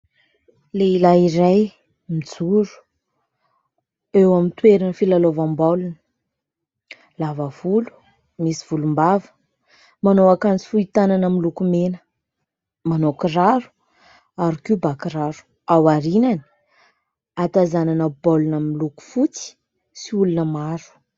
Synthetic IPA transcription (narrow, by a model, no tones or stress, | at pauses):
leilaiɾaj | mid͡zuɾu̥ | ewamint̪weɾanəfilalovambolunə̥ | lavav̥ulu̥ | misi̥v̥ulumbavə̥ | manoakant͡si̥fuit̪ananamilukumenə̥ | manokiraɾu̥ | aɾikiubakɾaɾu̥ | awaɾinani̥ | at̪azananəbolunamiluku̥fut͡si̥ | siulunəmaɾu̥